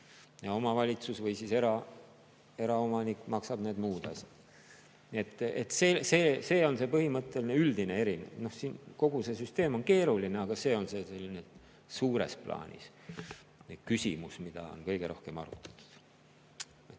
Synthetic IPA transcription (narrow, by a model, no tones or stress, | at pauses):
jɑo̞mɑvɑlʲit̪susvɤjsise̞ɾɑ | e̞ɾɑo̞mɑnikːˑmɑksɑb̥neːd̪muːd̪̥ɑsid̪̥ | nie̞t̪ːet̪ːseːseːse̞ːo̞nse̞pɤhimɤt̪ːˑe̞lineyld̪inee̞ɾinḛno̞hsiːnko̞ɡ̥use̞syst̪e̞ːmo̞nke̞ːɾulineɑɡ̥ɑse̞ːo̞nse̞ːse̞lːine̥ | suːɾḛsplɑ̰ːnʲḭs | ne̥kysʲḭmusmid̪̥ɑ̰o̰nkɤjɡ̥e̞ɾo̞hkemɑ̰ɾṵt̪ːˑɑ̥t̪u̥d̪̥ | et̪ː